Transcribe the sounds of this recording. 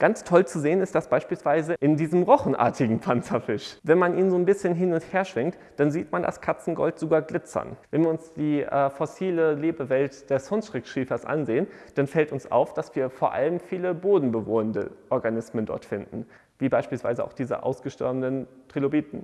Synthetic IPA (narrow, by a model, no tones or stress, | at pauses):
ɡ̥ant͡stʰɔlt͡suzeːənɪstd̥asb̥aɪʃpiːlsv̥aɪzəʔɪndiːzəmʁɔχn̩ʔa̰ːɐtɪɡŋ̩pʰant͡sɐfɪʃvɛnmanʔiːnzoːnbɪsçənɦɪnʊntheːɐʃv̥ɪŋt | d̥anziːtmanda̰skʰat͡sn̩ɡɔ̰ltz̥oːɡaːɐɡlɪt͡sɐ̰nvɛnviɐʊnsd̥iːʔɛ̰ːfɔsiːləleːbəvɛltd̥ɛshɔnsʃʁ̥ɪkʃʁiːfɐsʔa̰nzeːənd̥anfɛltʊnsʔa̰ʊfd̥asv̥iːɐfoːɐʔa̰ləmfiːləboːdn̩bəvoːəndə̰ʔɔɐɡanɪsməndɔ̰ɐtfɪndn̩ | viːbaɪʃpiːlsv̥a̰ɪzəaʊxd̥iːzə̰ʔa̰ʊsɡ̥əʃtɛ̰ɐbnən | tʁ̥ilobiːtn̩